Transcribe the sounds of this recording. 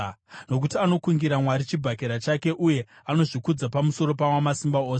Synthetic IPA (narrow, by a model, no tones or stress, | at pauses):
no̞kutiano̞kuŋɡiɾamwaɾit͡ʃibʱak̬eɾat͡ʃake̞ʔuje̞ | ano̞ʐikud͡zapamuso̞ɾo̞pawamasimbaoːse